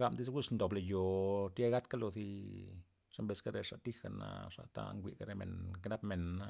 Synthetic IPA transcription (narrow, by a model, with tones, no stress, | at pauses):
ɡa˧˨md̪i˦sɡʷu˦snd̪o˨bla˨jo˨e˦ɡa˦t̪ka˦lo˧zi˧ | ʂe˦mbe˧ska˦ɾe˨ʂa˨t̪i˦xa˨na̰˦ʂa̰˨t̪a̰˦ŋɡʷḭ˨ʔka˦ɾe˧˨mḛ˨nkna˦pme˨na˦